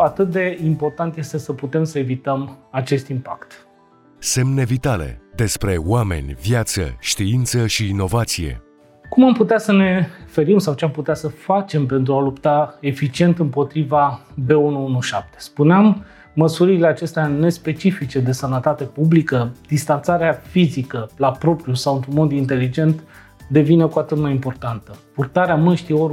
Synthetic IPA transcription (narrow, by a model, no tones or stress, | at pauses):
at̪ɨt̪̚d̪e̞impo̞rt̪ant̪je̞st̪e̞səput̪e̞msəe̞vit̪əmat͡ʃe̞st̪impakt̪ | se̞mne̞vit̪ale̞̰d̪e̞spɾe̞wame̞̰nʲvjat̪sə̰ʃt̪iint̪səʃiːno̞vat̪sije̞̰ | kumamput̪easəne̞fe̞ɾimsawt͡ʃeamput̪easəfat͡ʃe̞mpe̞nt̪ɾualupt̪ae̞fit͡ʃie̞nt̪ɨmpo̞t̪ɾivabe̞unuunuʃap̚t̪e̥spuneamː | əsuɾile̞at͡ʃe̞st̪eane̞spe̞t͡ʃifit͡ʃe̞d̪e̞sənət̪at̪e̞publikəd̪̥ist̪ant̪saɾeafizikəlapɾo̞pɾijusawɨnt̪ɾunmo̞d̪int̪e̞lid͡ʒe̞nt̪ | d̪e̞vine̞kuat̪ɨt̪majimpo̞rt̪ant̪əpurt̪aɾeamɨnʃt̪io